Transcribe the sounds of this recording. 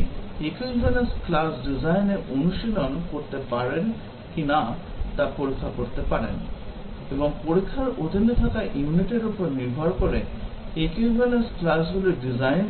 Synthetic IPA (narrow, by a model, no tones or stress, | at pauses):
ekibʱanesklasɖizajneʔonuʃilonkoɾt̪epaɾen | kinat̪apoɾikʰːakoɾt̪epaɾḛn | eboŋpoɾikʰːaɾʔod̪ʱinot̪ʰakaʔijuniʈiɾupoɾniɾbʱaɾkoɾe | ekibʱanesklasɡuloɖizajn